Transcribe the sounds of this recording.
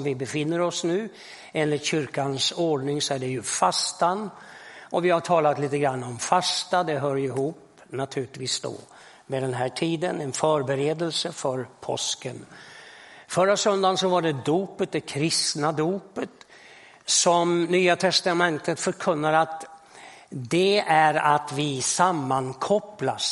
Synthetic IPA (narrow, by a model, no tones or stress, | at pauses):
mvɪbɛfɪnːəɾɔsnʉ̟ː | eːnlɪt̪ɕʏɾkansoɖɳɪŋsɔæɖɛjɵfast̪anɔvɪhaʈʰɑːlat̪liːt̪əɡɾanːɔmfast̪ad̪ɛɦœːɾɪɦuːp | nat̪ʰʉ̟ːlɪt̪viːsd̪o̰ | vɛd̪ɛnɦæːʈʰiːd̪ənɛnfœːɾbɛɾeːd̪əlsəfœɾpʰɔ̰skən | fœɾasœnd̪ansɔvaɖɛd̪uːpət̪̚d̪ɛkʰɾɪst̪nad̪uːpət̪ | sɔmnyːat̪ʰɛst̪amɛnt̪ət̪fœɾkʰɵnːaɾat̪ | d̪ɛæɾat̪vɪsamːankʰɔplas